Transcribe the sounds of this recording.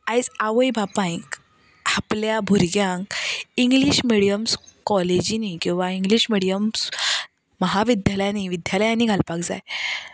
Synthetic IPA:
ãjt͡saʋəjbʱapãĩk | apljabʱuɾɡjãŋkiŋɡliɕmiɽijəmskɔled͡ʑinikĩw̃ʋaĩŋɡliɕmiɽijəms | məɦaʋid̪jaljaniʋid̪jalajaniːɡʱalpakd͡za̰j

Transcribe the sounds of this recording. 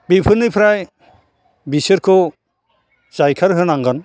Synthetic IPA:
bipʰɯnipʰɾaj | bisɯɾkʰɔ | zajkʰaɾɦɯnaŋɡɯn

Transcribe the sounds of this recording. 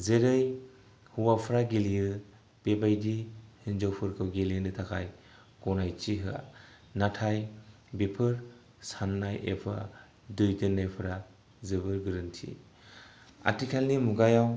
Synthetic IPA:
zeɾɯj | huwapʰɯɾaɡelijɯ | b̥ebajdihɯnd͡ʒowpʰɯɾkʰɯwɡeliɯnɯtʰakʰaj | kɔnajt͡ʃiɦɯa̰ | natʰaj | bepʰɯɾ | sanːajʔḛpʰa̰ | dujtɯnːajpʰɯɾa | zɯbɯɾɡɯɾɯntʰḭ | a̰tikʰalnimuɡajaw

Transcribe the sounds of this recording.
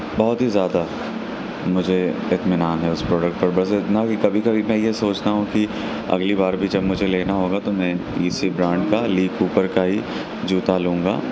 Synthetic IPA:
bɔɦʊt̪ɦizjaːd̪a | mʊd͡ʒʱeɪt̪mɪnaːnɦɛʊspɾɔːɖək̚ʈ̚pɐɾbɐsɪt̪nakikɐbʱikɐbʱimɛ̃jesoːt͡ʃnaɦũki | ɐ̰ɡlibaːɾbʱid͡ʒɐbmʊd͡ʒʱeleːnaɦoːɡat̪omɛ̃ | iːsibɾãːɳɖkaliːkuːpəɾkaɦi | d͡ʒuːt̪alũːŋɡa̰ː

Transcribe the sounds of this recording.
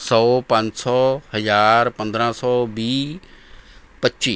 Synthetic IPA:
sɔːpãɲt͡ʃsɔːhəzaːɾpə̃nd̪ɾãsɔːbiː | pətːʃiː

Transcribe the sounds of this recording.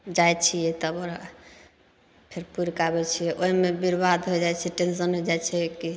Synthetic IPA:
d͡ʒajt͡ʃʰijɛt̪əboɾa | pʰeɾpuɾkabɛt͡ʃʰijɛʔoɦimebiɾbad̪ɦojd͡ʒajt͡ʃʰɛʈens̬ənɦod͡ʒajt͡ʃʰɛki

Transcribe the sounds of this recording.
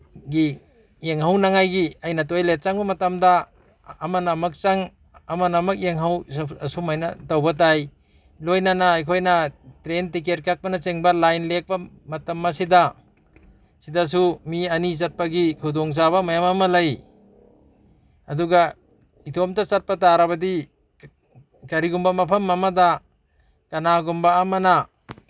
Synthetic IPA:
ɡi | eŋɦawnaŋajɡiajnat̬ojlet̚t͡ʃaŋbɐmɐtamdaː | manamak̚t͡ʃaŋ | ɐmanamak̚eŋɦawsumajnatawbat̬aj | lojnanaːjkʰojnatɾentik̬et̚kak̚panat͡ʃeŋbɐlajnlek̚ba | mɐtɐmːasida | sidas̬umiɐnit͡ʃɐt̚paɡikʰudɔŋt͡ʃ̬abɐmajamɐmɐlɐj | ɐduɡa | itʰomtɐt͡ʃat̚pɐtaɾɐβɐdi | kɐɾiɡumbɐmɐpʰɐmamɐda | kɐnaɡumbaːmɐna

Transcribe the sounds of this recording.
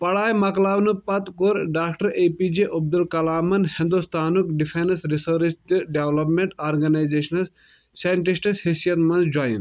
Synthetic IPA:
pɐɽaːjmɐklaːʋnupɐt̪koɾɖaːkʈɐɾepid͡ʒeʔɐb̚d̪ulkɐlaːmɐnhind̪ust̪ʰaːnukɖipʰenɐsɾisɐɾst̪iɖeʋlɐp̬mẽɳʈaːɾɡɐnaːjzeːʃɐnɐs | sajɳʈisʈishisijɐt̪mɐnzd͡ʒaːjḭn

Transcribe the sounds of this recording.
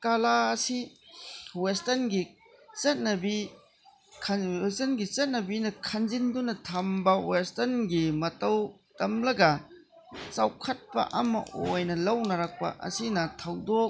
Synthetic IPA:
kalaɐsi | westɐnɡi | t͡ʃɐt̚nɐbi | kʰestɐnɡit͡ʃɐt̚nɐbinɐkʰɐnzindunɐtʰɐmbɐwestɐnɡimɐtɐw | tɐmlɐɡɐ | t͡ʃawkʰɐt̚pɐ̰ʔɐmɐ̰ʔojnɐlɐwnɐɾɐk̚pɐ̰ʔɐ̰sinɐtʰɐwdok̚

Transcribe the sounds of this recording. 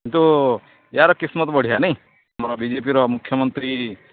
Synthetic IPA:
kint̪u | eɦaɾɔkismɔt̪bɔɽ̤iɦanɐj̃ | amɔɾɔbid͡ʒep̬iɾɔmukʰːjɔmɔnt̪ɾi

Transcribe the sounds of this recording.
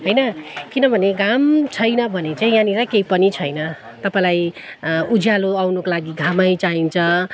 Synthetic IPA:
ɦʌjnʌkinʌbʱʌneɡamt͡sʰʌjnʌbʱʌnet͡saĩjãniɾʌkejpʌnit͡sʰʌjnʌ | t̪ʌpãĩlajud͡zʱjaloawnokolaɡiɡʱamʌjt͡saɦint͡sʰʌ

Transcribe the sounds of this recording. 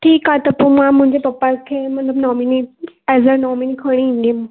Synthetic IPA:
ʈʰiːkat̪əpumãmũɲd͡ʑepɐpːakʰemət̪ləbnɔminiɛzəɾnɔminikʰəɽ̃ĩind̪im

